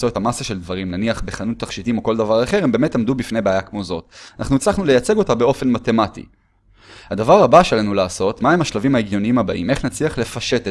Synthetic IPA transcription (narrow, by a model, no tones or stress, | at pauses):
t͡soet̪amasaʃe̞ld̪vaʁimnaniaχbeχanut̪ːaχʃitimo̞kold̪avaʁaχe̞ʁembemetlamd̪ubifne̞jbeajakmo̞zo̞tanʔa̰χnut͡slaχnule̞jat͡se̞ɡo̞tabe̞o̞fe̞nmate̞matḭ | had̪avaʁabaʃelanulaːso̞t̪maemaʃlavimhaeɡjo̞niimhabaʔime̞χnat͡sliaχle̞faʃet